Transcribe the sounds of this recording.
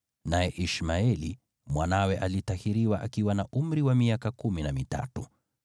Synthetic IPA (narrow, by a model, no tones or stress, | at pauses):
najɛʔiʃmaɛli | mwanawɛʔalitahiɾiwaʔakiwanaʔum̩ɾiwamiakakuminamita̰tu